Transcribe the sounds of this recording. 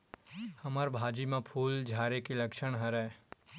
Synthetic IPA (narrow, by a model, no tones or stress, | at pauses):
hɐməɾbʱaːd͡ʒimẽpʰuːld͡ʒʱaːɾekilɐkʃəɽ̃ɦəɾɛ